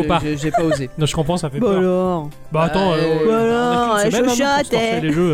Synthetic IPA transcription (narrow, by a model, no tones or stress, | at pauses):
opaʁʒɛpaozenɔ̃ʒə̥kɔ̃pχɑ̃safɛbalɔʁ | baːt̪ɑ̃aɔbalɔʁʒmɛ̃ɔst̪ɛɛleʒø